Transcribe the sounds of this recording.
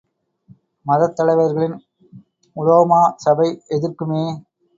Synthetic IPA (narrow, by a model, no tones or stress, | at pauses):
mɐðɐt̪ːɐɭɐɪʋɐɾɣɐɭɪn | ʊlɐʋɐmaːsɐbɐɪɛðɪrkɯmeː